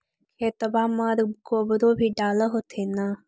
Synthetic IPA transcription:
kʰeːt̪əbʱãːmãːɾbkoːbəɾoːbʱiːɖaːləɦot̪ʰeːna

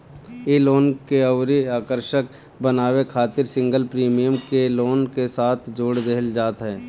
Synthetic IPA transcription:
eloːnkeɐʊɾiaːkəɾʃək | bənaːwekʰaːt̪ɪɾsɪ̃ŋɡəlpɾiːmijəmkeloːnkesaːt̪ʰd͡ʒoːɽd̪eɦəld͡ʒaːt̪ɦɛː

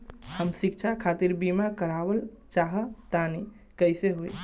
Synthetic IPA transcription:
həmsik̚t͡ʃʰakʰat̪iɾbimakəɾabəlt͡ʃaɦət̪ani | kəjseɦoj

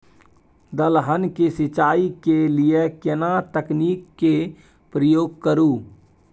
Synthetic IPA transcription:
d̪əlɦənkesɪt͡ʃaːikelijekɪnat̪əkniːkːe | pɾəjoːɡ̚kəɾuː

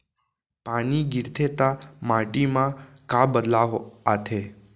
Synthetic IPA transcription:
paniɡɪɾt̪ʰet̪amaʈimã | kabəd̪laʋoat̪ʰe

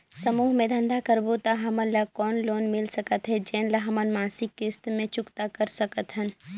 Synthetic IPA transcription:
səmuːɦmẽd̪ʱə̃nd̪ʱakəɾbot̪aɦɐmə̃nlakɔːnloːnmɪlsəkət̪ɦɛd͡ʒɛːnlaɦɐmənmãːnsɪkːɪst̪mẽt͡ʃʊkt̪akəɾsəkət̪ɦən

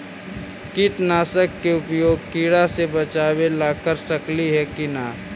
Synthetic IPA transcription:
kɪʈ̪naːsəkːeʊpjoːɡ̚kiːɽasebət͡ʃaːwelaːkəɾsəkliɦɛkinaː

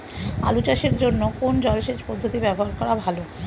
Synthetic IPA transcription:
a̰lut͡ɕaʃeɾd͡ʑonːokond͡ʑɔlʃed͡ʑpɔd̪ʱːot̪ibɛboɦaɾkɔɾabʱalo

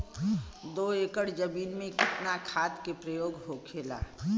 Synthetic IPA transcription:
d̪oːeːkəɽd͡ʒəmiːnmẽkɪt̪nakʰaːt̪kepɾəjoːɡɦokʰeːla̰ː

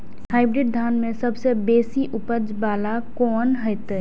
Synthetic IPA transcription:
haːɪbɾɪɖ̚d̪ʱaːnmẽsəbʱsebeːsiʔʊpəd͡ʒbaːlakɔːnɦəjt̪ː

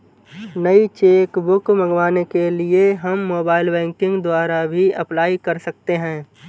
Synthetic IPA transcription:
nəit͡ʃeːkbʊkmə̃ŋɡʋaːnekelieɦəmːoːbaːɪlbɛ̃ːŋkɪ̃ŋɡd̪waːɾabʱiɐplaːikɐɾsɐk̚t̪eɦɛ̃ː

